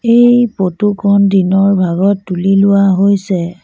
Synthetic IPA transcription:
ejpotukʰɔndinɔɹbʱaɡɔtːulilʊwaɦojsɛ

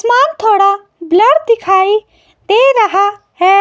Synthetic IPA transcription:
smaːnt̪ʰoːɽa | bləɽd̪ikʰaːi | d̪eɾɐɦa | ɦe

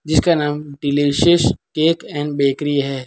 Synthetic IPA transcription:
d͡ʒɪskanaːmɖɪliʃəskeːkɛ̃ːnɖbeːkɾiɦɛː

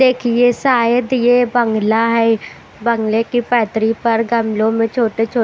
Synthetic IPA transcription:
d̪eːkʰieːsaːjəd̪jeːbəŋɡlaːɦɛ | bəŋɡleːkipɛːt̪ɾiːpəɾɡəmlõːmẽːt͡ʃʰoːʈeːt͡ʃʰoː

